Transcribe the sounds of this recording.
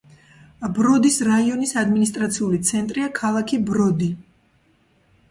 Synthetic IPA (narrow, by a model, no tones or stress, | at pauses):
bɾɔd̪isɾaiɔnisad̪minis̬t̪ʼɾat̪sʰiulit̪sʰɛnt̪ʼɾiakʰalˠakʰibɾɔd̪i